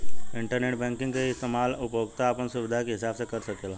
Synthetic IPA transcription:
ɪɳʈəɾneʈbɛ̃ŋkɪŋɡkeist̪emalupəʋəɡt̪aːpəɳsuʋɪd̪ʱakeɦɪsabsekəɾʃəkela

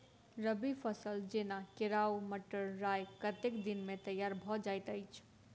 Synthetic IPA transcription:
ɾəbipʰəsəld͡ʒenakeɾauməʈəɾːajkət̪ekd̪inmet̪əjːaɾbʱɔd͡ʒajt̪əɪt͡ʃʰ

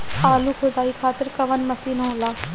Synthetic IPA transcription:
aːlukʰod̪aːikʰaːt̪ɪɾkɐʋənmɐsiːnoõlaː

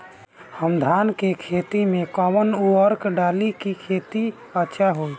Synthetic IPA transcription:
həmd̪ʱankekʰet̪imẽkɔmənuəɾkɖalikikʰet̪i | ətːʃʰaɦoi

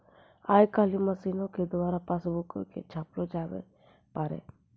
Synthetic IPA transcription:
aːjkalimasiːnoked̪ʊwaːɾapasbuko̰kḛt͡ʃʰaːplod͡ʒaːʋḛ | paɾḛ

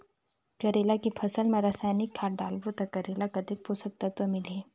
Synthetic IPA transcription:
kɐɾeːlakipʰɐsəlmẽɾaːsaːnɪkʰːaːʈ̚ɖaːlbot̪ɐkɐɾeːlakɐd̪ek̚pʰosək̚t̪at̪omɪleː

